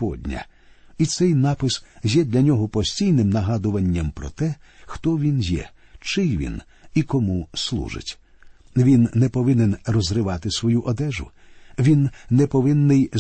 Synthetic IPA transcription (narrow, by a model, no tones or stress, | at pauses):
pɔdʲnʲɐ̰ | it̪sɛjnɑpɪszʲjɛd̪lʲɐnʲɔɦɔpɔsʲtʲijnɪmnɐɦɑd̪ʊʋɐnʲːɐmpɾɔ̰t̪ɛxt̪ɔʋʲinjɛ̰ | t͡ʃɪjʋʲḭn | ikɔmuslˠṵʒɪ̰tʲ | ʋʲinːɛpɔʋɪnɪnrɔzrɪʋɑt̪ɪsʋɔjuʔɔd̪ɛʒʊ̰ | ʋʲinːɛpɔʋɪnːɪj